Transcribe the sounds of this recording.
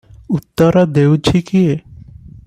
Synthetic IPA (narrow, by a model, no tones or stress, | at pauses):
ut̪ːəɾad̪ewt͡ʃʰikie